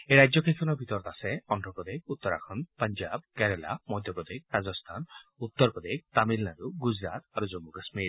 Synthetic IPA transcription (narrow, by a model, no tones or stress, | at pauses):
eɾajd͡ʒjɔkʰesʰɔnɔbʱit̪ɔɾɔt̪aseɔndʱɾɔpɾɔd̪ek̚ʰut̪ːɔɾa̰kʰɔnpaɲd͡ʒabkɛɾela̰mɔjd̪ʱjɔpɾɔd̪ek̚ʰɾad͡ʒɔst̪ʰanut̪ːɔɾpɔd̪ek̚t̪amilnaɾuɡud͡ʒɾat̪aɾud͡ʒomuɡasmiɾ